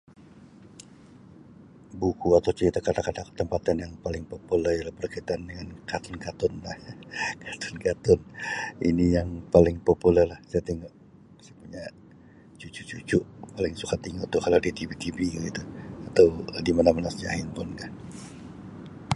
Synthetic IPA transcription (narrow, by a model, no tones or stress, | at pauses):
bukuat̪awt͡ʃəɾit̪akatakadakə̥t̪əmpat̪anjaŋpalɪŋpopulɛrjalahbərkait̪aandəŋankat̪ʊnkat̪ʊnlahkʰḁt̪ʊ̥nkat̪ʊnḭnijaŋpalɪŋpopulɛrlahsajat̪iŋɡa | sajapuɲa | t͡ʃut͡ʃut͡ʃut͡ʃʊʔpalɪŋsukat̪iŋat̪ukaladit̪ibit̪ibiɡəɡit̪uat̪awdimanamanasd͡ʒa̰ɦɪnpʊnɡaʔ